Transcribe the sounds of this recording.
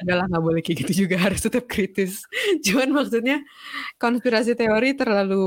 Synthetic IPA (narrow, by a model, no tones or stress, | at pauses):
aɡalaŋɡabolɛhkiɡit̪ud͡ʒuɡaɦaɾʊst̪ət̪əp̚kɾit̪ɪsd͡ʒumanmaksut̪̚ɲa | kɔnspiɾasit̪eoɾit̪ərlalu